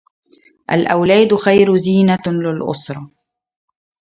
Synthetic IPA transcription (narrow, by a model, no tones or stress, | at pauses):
ʔa̰lʔawlaːd̪xajɾziːnalɪlʔʊ̰sɾˤɑ